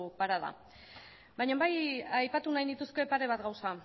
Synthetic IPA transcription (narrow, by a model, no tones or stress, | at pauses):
paɾaða̰ | bajɲambajajpat̪unajnit̪uske̞paɾe̞β̞at̪ɡawsa